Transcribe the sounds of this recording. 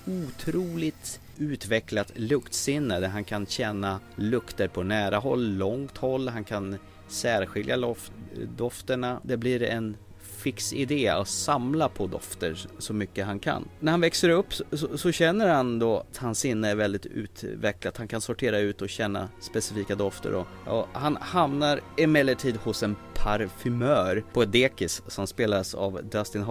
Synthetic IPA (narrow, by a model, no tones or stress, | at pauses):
ut̪ʰɾuːlɪt̪ | ʉ̟ːt̪vɛklat̪lɵkt̪sɪnːəd̪æɦankʰanɕɛnːalɵkt̪əɾpʰɔnæːɾaɦɔlːɔŋt̪hɔlːɦankʰan | sæːɾɧɪljaɔ | d̪ɔft̪əɳad̪ɛbliɾɛn | fɪksɪd̪eːa̰tsamlapʰɔd̪ɔ̰ft̪əɾʂɔmʏkːəɦankʰa̰nːnæɾhanvɛksəɾɵpːsɔsɔɕɛnːəɾhand̪oat̪hansɪnːəæɾvɛld̪ɪt̪ʰʉ̰ːt̪vɛklat̪hankʰansɔʈʰeːɾaʉ̟ːt̪ɔɕɛnːa̰spɛsɪfiːkad̪ɔft̪ə̰ɾɔɔhanhamnaɾɪmɛlːəʈʰiːd̪hʊsɛnpʰaɾfʏmœːɾpʰɔɛd̪eːkɪsːɔmspeːlasa̰vd̪ast̪ɪnhɦ